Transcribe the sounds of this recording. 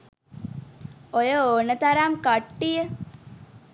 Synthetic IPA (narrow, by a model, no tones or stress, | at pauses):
ojəonət̪aɾamkaʈːijə